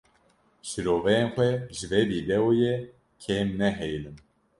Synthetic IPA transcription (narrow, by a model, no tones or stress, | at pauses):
ʃiɾoːvɛjeːnxʷɛʒɨvɛbiːd̪ɛwujɛ | kʰeːmnɛɦɛjlɨm